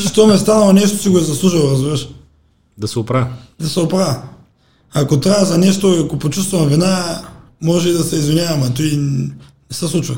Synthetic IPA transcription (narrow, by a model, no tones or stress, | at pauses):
ʃt̪omɛst̪anɐlˠonɛʃt̪o̥siɡoɛzɐslˠuʒilˠoɾɐzbiɾɐʃ | d̪ɐsɛopɾad̪ɐsɛopɾavɐ | akot̪ɾaɐzɐnɛʃt̪oiakopot͡ʃust̪vɐmvina | mɔʒɛid̪ɐsɛizvinʲjavɐmat̪ɔinɛsɛslˠut͡ʃvɐ